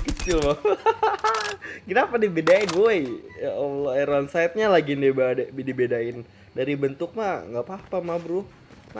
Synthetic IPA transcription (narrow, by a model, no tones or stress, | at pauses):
kət͡ʃɪlma | kinapadibedaɪnboeoloeɾɔnsajt̪̚ɲalaɡinebaddibedaɪn | daɾibənt̪ʊk̚ma̰ŋɡapapamabɾʊ | ma